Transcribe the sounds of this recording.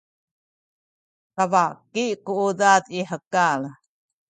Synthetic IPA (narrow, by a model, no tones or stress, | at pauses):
tavakikuudat̪iħəkal